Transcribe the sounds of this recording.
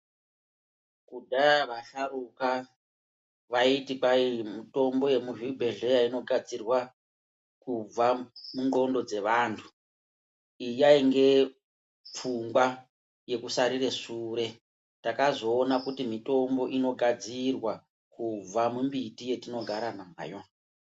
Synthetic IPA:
kudaaʋaɬaruka | ʋaitikaimuto̞mbo̞je̞muʐibʱe̞ɮe̞jaino̞ɡʱad͡zirwa | kub͡vamuŋɡo̞ndo̞d͡ze̞ʋaːntʰu̥ | ijaiŋɡe̞ | p͡fuŋɡwa | je̞kusaɾireʂuːɾe̞ | takazo̞ːnakutimito̞mbo̞ʔino̞ɡʱad͡zirwa | kub͡vamumbitije̞tino̞ɡʱaɾanama̰ːjo

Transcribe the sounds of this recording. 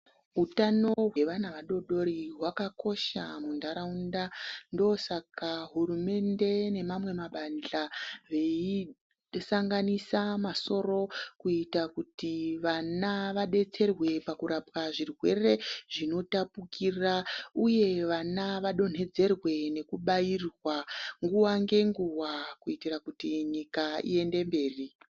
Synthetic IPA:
ɦutano̞ɦweʋanaʋaɗo̞ɗo̞ɾiɦwakako̞ʃa̰mundaɾaundandosakaɦuɾume̞nde̞ne̞mamwe̞maɓand͡ɮaʋe̞i | saŋɡanisamaso̞ɾo̞kuitakutiʋanaʋaɗe̞t͡se̞rwe̞pakuɾapkaʐirwe̞re̞ʐ̥ino̞tapukʰirauje̞ʋanaʋaɗo̞n̤e̞d͡ze̞rwe̞ne̞kuɓairwaŋɡuwaŋɡe̞ŋɡuwakuitirakutiɲikaḭe̞nde̞mbe̞ːri

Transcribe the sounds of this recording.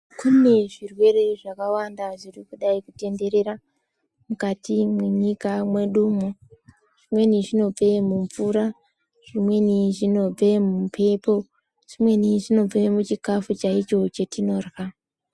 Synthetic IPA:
kune̞ʐirwe̞ɾeʐakawandaʐirikuɗaikute̞nde̞ɾe̞ɾa | mukatimweɲikamwe̞ɗumo | ʐ̥imwe̞niʐino̞b͡ve̞muɱfuɾa | ʐ̥imwe̞niʐino̞b͡ve̞mupʰe̞po̞ | ʐ̥imwe̞niʐino̞b͡vemut͡ʃikafut͡ʃait͡ʃo̞t͡ʃe̞tino̞rɣa

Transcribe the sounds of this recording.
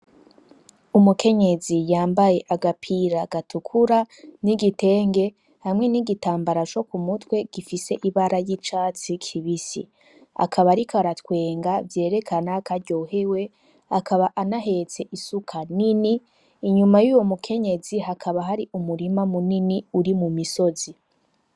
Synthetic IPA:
umuke̞ɲe̞zijaːmbaje̞ʔaɡapʰiɾaɡatukʰuɾaniɡite̞ːŋɡe̞ | hamŋe̞niɡitaːmbaɾat͡ʃo̞kumutwe̞ɡ̥ifise̞ʔiβaɾajit͡ʃaːt͡sikʰiβisḭ | a̰kʰaβaɾikʰaɾatwe̞ːŋɡavje̞ːɾe̞kʰanakaɾɟo̞ːɦe̞we̞ | akʰaβaʔanaɦe̞t͡se̞ʔisukʰanini | iɲumajuːwo̞mukʰe̞ɲe̞ziɦakʰaβaɦaɾiʔumuɾimamuniniuɾimumiso̞zi

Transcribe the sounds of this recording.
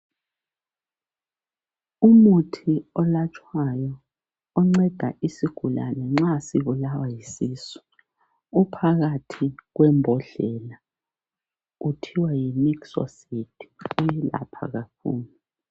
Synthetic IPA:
umutʰiɔlat͡ʃʼʰwajɔː | ŋ͡ǀɛd̥ʱa̰ʔisiɡ̥ʱula̰nɛŋ͡ǁasiβulawajisiːsu̥ | upʰaɣatʰiɣwɛmbʱɔɮɛla | utʰiwajimiki̥sɔ̰setʰu̥ujɛla̰pʰa̰ɣakʰṵːlu

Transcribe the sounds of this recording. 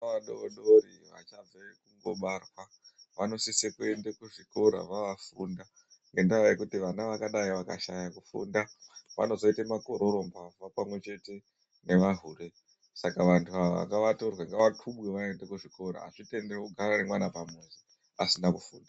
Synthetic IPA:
aɗooɗoɾiʋa̰t͡ʃab͡vekuŋɡo̞̰ɓarwa | ʋano̞sisekue̞ndekuʐiko̞ɾa̰ʋaʋafunda | ŋɡe̞ndaajekutiʋanaʋakaɗaiʋaka̰ʃajakufṵndaʋa̰no̞zo̞itemakoɾoɾombavapamwe̞t͡ʃe̞te̞ | ne̞ʋaɦure̞ | sakaʋantʰuaa̰kaʋato̞rwaŋɡaʋatʰuɓweʋaendekuʐiko̞ɾa̰ːʂite̞nderekuɡʱaɾaremwanapamezi | asinakufṵːnda

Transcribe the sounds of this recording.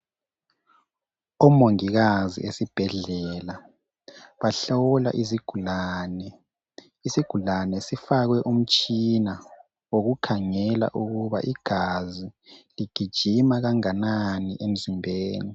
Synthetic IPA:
ɔmoŋiɣazḭʔesib̥ʱɛɮɛla | βaɬala̰ʔiziɡ̥ʱulaːnɛ | isiɡ̥ʱulanɛsifaɣwɛʔum̩t͡ʃʼina | woɣukʰaŋɛla̰ʔuɣuβa̰ʔiɡ̥ʱaziliɡ̥ʱid̥ʒ̥ʱimaɣaŋananiʔem̩zimbʱeːni

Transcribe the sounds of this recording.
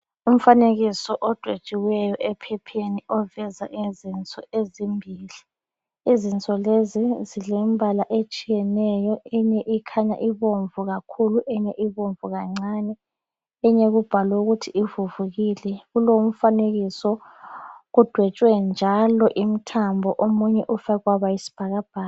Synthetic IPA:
um̩faneɣisɔʔɔd̥ʱwet͡ʃʼiwɛjɔʔɛpʰɛpʰeniɔvɛza̰ʔizint͡sʼɔezimbʱiːli | izint͡sʼɔlezizilembʱalaʔet͡ʃʼijɛnɛjɔɛɲɛʔikʰaɲa̰ʔiβoɱvuɣakʰuluʔɛɲɛʔiβoɱvuɣaŋ͡ǀanɛ | ɛɲeɣub̥ʱalouɣutʰiivuvuɣilɛɣulom̩faneɣisɔ | ɣud̥ʱwɛt͡ʃʼwɛnd͡ʒʱalɔʔim̩tʰambʱɔʔomuɲɛʔufaɣwaβajisi̥b̥ʱaɣab̥ʱaː

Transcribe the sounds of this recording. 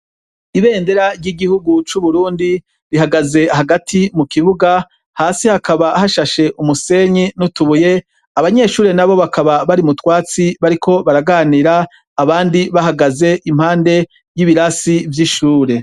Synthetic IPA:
iβe̞ːnde̞ɾaɾɟiɡihuɡut͡ʃuβuɾuːndi | ɾiɦaɡaze̞ɦaɡatʰimukiβuɡa | haːsihakaβahaʃaʃe̞ʔumuse̞ɲinutuβuje̞ | aβaɲe̞ʃuːɾe̞naβo̞βakʰaβaβaɾimutwaːt͡siβaɾikʰo̞βaɾaɡaːniɾaː | βaːndiβaɦaɡaze̞ʔim̥haːnde̞ | jiβiɾasivjiʃuːɾe̞

